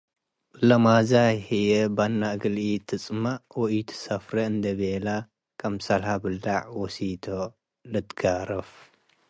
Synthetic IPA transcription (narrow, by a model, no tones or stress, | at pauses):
lɐmazahijɛbanːaʔɡɨlit̪ʰɨt͡sʼmawɔʔit̪ʰsɐfɾɐɨnd̪ɐβela | kʰɐmsɐlhabɨld̪aʕwɔsit̪ʰo | lɨt̪ɡaɾɐf